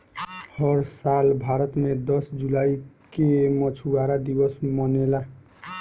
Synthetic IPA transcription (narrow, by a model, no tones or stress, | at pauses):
hʌɾsalbʱaɾət̪med̪ʌsd͡ʒulaikemət͡ʃʰuaɾad̪ibəsmənela